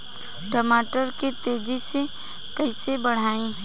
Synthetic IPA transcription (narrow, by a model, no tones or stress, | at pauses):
ʈəmaːʈəɾkit̪eːd͡ʒise | kɐisebəɽ̤aːĩ